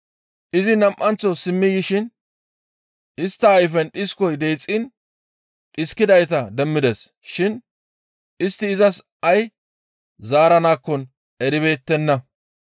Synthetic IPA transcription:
ʔɪzɪnɐmʔɐnt͡sɔsɪmːɪjɪʃɪn | ʔɪst̪ːɐːjfɛnɗɪskɔjd̪eːt͡sʼːɪn | ᶑɪskɪd̪ɐjt̪̬ɐd̪ɛmːɪd̪ɛs | ʃɪn | ɪst̪ːɪːzɐs | ɐj | zaːɾɐnaːkːɔn | ɛɾɪβe̞ːt̪ːɛnːɐ

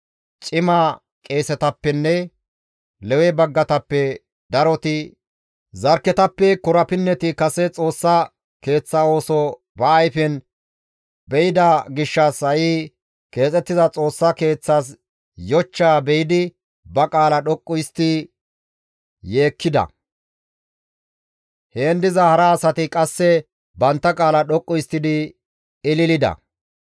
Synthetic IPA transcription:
t͡ʃʼɪmɐ | kʼe̞ːsɛt̪ɐpːɛnːɛ | lɛwɛbɐɡːɐt̪ɐpːɛ | d̪ɐɾɔt̪ɪ | zɐɾkːɛt̪ɐpːɛkʊɾɐpɪnːɛt̪ɪkɐsɛt͡sʼo̞ːsːɐ | ke̞ːt͡sːɐo̞ːsɔ | bɐːjfɛn | bɛjɪd̪ɐɡɪʃːɐsɐji | ke̞ːt͡sʼɛt̪ːɪzɐt͡sʼo̞ːsːɐke̞ːt͡sːaːs̬ | jɔt͡ʃːaːbɛjɪd̪ɪ | bɐkʼaːlɐɗɔkʼːʊjst̪ɪ | je̞ːkʰːɪd̪ɐ̰ | heːnd̪ɪzɐhɐɾɐːsɐt̪ɪkʼɐsːɛ | bɐnt̪ːɐkʼaːlɐɗɔkʼːʊjst̪ːɪd̪ɪ | ɪlɪlɪd̪ɐ̰

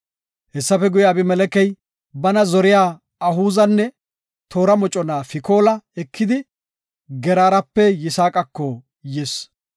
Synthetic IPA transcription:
hɛsːɐfɛɡʊjaːbɪmɛlɛkɛj | bɐnɐzɔɾɪjaː | ɐɦuːzɐnːɛ | t̪ʰo̞ːɾɐmɔt͡ʃʼːɔnaːfɪko̞ːlɐɛkʰːɪd̪ɪ | ɡɛɾaːɾɐpːɛjɪsaːkʼɐkːɔ | jɛs

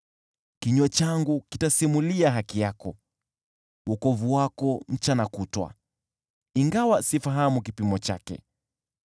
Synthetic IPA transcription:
kiɲwɛt͡ʃaŋɡukitasimuliaɦakijakɔ | wɔkɔvuwakɔm̩t͡ʃanakutwa̰ | iŋɡawasifaɦamukipimɔt͡ʃa̰kɛ̰

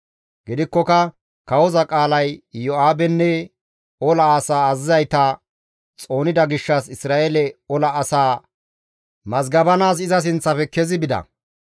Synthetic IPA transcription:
ɡɪd̪ɪkːɔkɐ | kɐwɔzɐkʼaːlɐjjɔaːbɛnːɛ | ɔlɐːsaːɐzɪzɐjt̪ɐ | t͡sʼo̞ːnɪd̪ɐɡɪʃːɐsɪsɾaːɛlɛɔlɐːsaː | mɐzɡɐbɐnaːs̬ɪzɐs̬ɪnt͡sːɐpɛkɛzɪbɪd̪ɐ̰

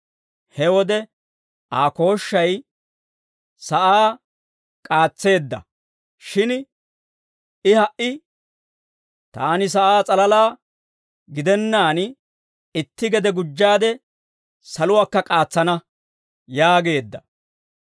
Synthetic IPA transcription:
hɛwɔd̪ɛ | aːko̞ːʃːɐj | sɐʔaː | kʼaːt͡sːe̞ːd̪ːɐ̰ | ʃɪn | ɪhɐʔɪ | t̪aːnɪs̬ɐʔaːt͡sʼɐlɐlaː | ɡɪd̪ɛnːaːn | ɪt̪ːɪɡɛd̪ɛɡʊd͡ʒːaːd̪ɛ | sɐlʊwaːkːɐkʼaːt͡sːɐnɐ | jaːɡe̞ːd̪ːɐ

